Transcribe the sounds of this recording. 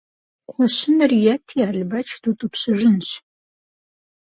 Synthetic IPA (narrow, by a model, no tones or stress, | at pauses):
qʰʷɔɕɪnɨrjɛtʰiaːɮɨbɐt͡ʃʰd̥utʼɨpɕɨʒʷɪnɕ